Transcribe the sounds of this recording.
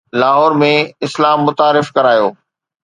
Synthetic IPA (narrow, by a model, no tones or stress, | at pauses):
laːɦɔːɾmẽɪslaːmːʊt̪aːɾɪfkɐɾaːjoː